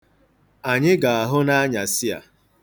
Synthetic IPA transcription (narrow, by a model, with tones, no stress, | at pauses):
a˨ɲɪ˦ɡa˨a˨ɦʊ˦na˦ɲa˨sɪ˦a̰˨